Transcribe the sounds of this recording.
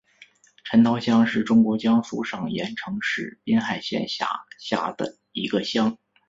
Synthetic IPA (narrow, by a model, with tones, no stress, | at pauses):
ʈ͡ʂʰə˧˥nt̪ʰɑ˧˥ʊɕjɑ˥ŋʂɻ̩˥˩ʈ͡ʂʊ˥ŋkwɔ˧˥t͡ɕjɑ˥ŋfṵ˥˩ʂɑ˥˩ŋjɛ̰˧˥nʈ͡ʂʰɤ˧˥ŋʂɻ̩˥˩pjɛ˥nxa˥˩ɪɕjɛ̰˥˩nɕa̰˧˩ɕja̰˥˩d̪̥ə̰˩ | i˧˥ɡə˧ɕjɑ˥ŋ